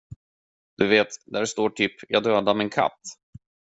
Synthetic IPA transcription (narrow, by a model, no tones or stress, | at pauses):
d̪̥ɵveːt̪d̪æɖst̪oːʈʰyːpjʔɑːɡd̪øːd̪amɪnkʰa̰t̪ː